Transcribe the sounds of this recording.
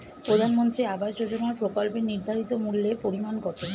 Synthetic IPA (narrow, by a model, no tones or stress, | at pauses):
pɾod̪ʱanmont̪ɾiabaʃd͡ʑod͡ʑonaɾpɾokolpeniɾd̪ʱaɾit̪omulːepoɾimankɔt̪e